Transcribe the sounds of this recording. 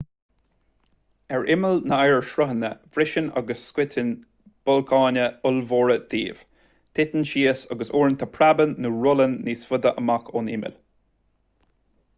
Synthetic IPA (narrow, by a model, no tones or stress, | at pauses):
ɛɹʔɪməlnəajɹʃɾəɦənə̰v̥ɾɪʃəna̰ɡəsːkwɪtʰɪn | b̥ʊlkʰɑːnəʊlvoːɹəd̪̥ḭːv̥ | t̪ʰɪt̪ənʃiːəsəɡəsoːɹənt̪ʰapʰɹabənːəɹʊlənːisfʊd̪əʔəmakʰonɪ̰mɪ̰l